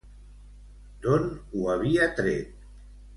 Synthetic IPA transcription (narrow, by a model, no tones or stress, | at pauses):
d̪̥onuaβiat̪ɾet̪̚